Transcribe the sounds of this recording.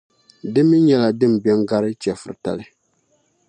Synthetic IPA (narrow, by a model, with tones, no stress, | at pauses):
dɨ˦mːɨ˦ɲɛ˦la˨dɨ˦˨m˨bɛ˦ŋɡa˦ɾɨ˦t͡ʃɛ˨fɨ̰˨ɾɨ˨ta̰˨lɨ˦